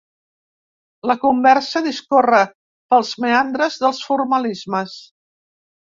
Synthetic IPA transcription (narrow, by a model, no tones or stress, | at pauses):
ləkumbɛrsəðiskorə | pəlˠzmeand̪ɾəzðəlˠsfurməlizməs